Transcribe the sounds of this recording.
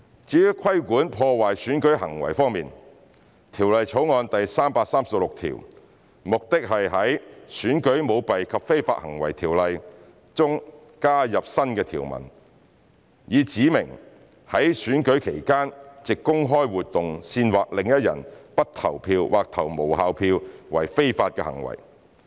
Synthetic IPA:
t͡siː˨˥jy˥kʰɐ˥jkuː˨˥npʰɔː˧waː˨˩jsyː˨˥nkɵ˨˥ɥɦɐ˨˩ŋwɐ̰˨˩jfɔː˥ŋmiː˨n | t̪ʰiː˨˩wlɐ˨˧jt͡ʃʰo˨˥wŋɔː˧nt̪ɐ˨jsaː˥mpaː˧k̚saː˥msɐ˨p̚lʊ˨k̚t̪ʰḭ˨˩w | mʊ˨k̚t̪ɪ˥k̚ɦɐ˨jɦɐ˨˥jsyː˨˥nkɵ˨˥ɥmo˨˧wpɐ˨jkʰɐ˨p̚fe˥jfa̰ː˧t̚hɐ̰˨˩ŋwɐ̰˨˩jt̪ʰiː˨˩wlɐ˨j | t͡sʊ˥ŋ | kaː˥jɐ˨p̚sɐ˥nkɛː˧t̪ʰḭː˨˩wmɐ̰˨˩n | jiː˨˧t͡siː˨˥mɪ̰˨˩ŋ | hɐ˨˥jsyː˨˥nkɵ˨˥ɥkʰe˨˩jkaː˥nt͡sɪ˨kːʊ˥ŋɦɔː˥jwuː˨t̚t̪ʊ˨ŋsiː˧nwaː˨k̚lɪ˨ŋjɐ˥t̚jɐ̰˨˩npɐ˥t̚t̪ʰɐ˨˩wpʰiː˧wwʔa̰ː˨k̚t̪ʰɐ˨˩wmo˨˩wɦaː˨˧wpʰiː˧wwɐ̰˨˩jfe˥jfaː˧t̚kɛː˧hɐ̰˨˩ŋwɐ̰˨˩j

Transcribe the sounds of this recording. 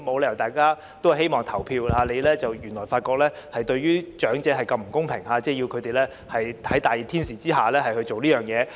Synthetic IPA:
mo˨˧wlɛː˧jɐ˨˩wt̪aː˨jkaː˥ | t̪o˥whhe˥jmɔː˨ŋt̪ʰɐ˨˩wpʰiː˧waː˨˧le˨˧jlɛː˥t͡sɐ˨wjyː˨˩nlɔː˨˩jfaː˧t̚kɔː˧k̚lɛː˥ | hɐ˨jt̪ɵ˧ɥɥyː˥t͡ʃœː˨˥ŋt͡sɛː˨˧˥ɦɐ˨jkɐ˧mm̩˨˩kʊ˥ŋpʰɪ˨˩ŋhaː˨˧˥t͡sɛː˥˩ji˧wkʰɵ˨˧t̪e˨jlɛː˥ | hɐ˨j̪ʰɐ˨˥jt̪aː˨ji˨˩t̪ʰiː˥nsiː˨t͡siː˥ɦaː˨˩lɛː˥ɦɐ˨˩jhɵ˧ɥt͡so˨wliː˥jœː˨˩ŋjɛː˨˧

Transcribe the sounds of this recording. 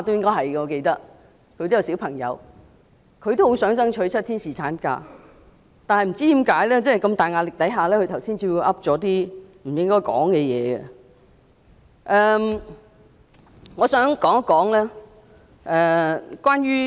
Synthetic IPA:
t̪o˥wjɪ˥ŋkɔː˥ɦɐ˨jɡɛ˧ŋɔː˨˧ke˧jt̪ɐ˥k̚ | kʰɵ˨˧t̪o˥jɐ˨˧wsiː˨˥wpʰɐ˨˩ŋjɐ̰˨˧w | kʰɵ˧jt̪o˥who˨˥wsœː˨˥ŋt͡sɐ˥ŋt͡ʃʰɵ˧˥t͡sʰɐ˥t̪ʰiː˥nsiː˨t͡sʰaː˨˥nka̰ː˧ | t̪aː˨nhɐ˨jm̩˨˩t͡siː˥t̪iː˨˥mkaː˨˥jlɛː˥t͡sɛː˥hjkɐ˧mt̪aː˨jŋaː˨˧lɪ˨k̚t̪ɐ˨˥jɦaː˨˧lɛː˥kʰɵ˧t̪ʰɐ˨˩wsiː˥nt͡siː˧wu˧wʔɐ˥p̚t͡sɔː˨˥t̪iː˥m̩˨˩jɪ˥ŋkɔː˥jkɔ̰ː˨˥ŋkɛ˧jɛ̰ː˨˧ɡɛ̰˧ | ʔɛ˨m | ŋɔː˨˧sœː˨˥ŋkɔː˨˥ŋɐ˥kːɔː˨˥ŋlɛː˥ | ʔɛ˨kwaː˥njyː˥

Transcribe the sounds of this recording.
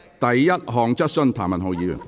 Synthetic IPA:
t̪ɐ˨jːɐ˥t̚ɦɔː˨ŋt͡sɐ˥t̚sɵ˥nt̪ʰaː˨˩mɐ˨nɦo˨˧wjiː˨˥jy̰˨˩n

